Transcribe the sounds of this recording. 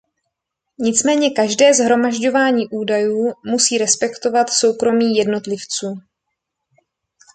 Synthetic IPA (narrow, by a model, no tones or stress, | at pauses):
ɲɪt͡smɛːɲɛkaʒdɛːzɦɾo̞maʒɟo̞vaːɲiːʔuːdajuːmusiːɾɛspɛkt̪o̞vat̪so̞wkɾo̞miːjɛdno̞t̪lɪft͡suː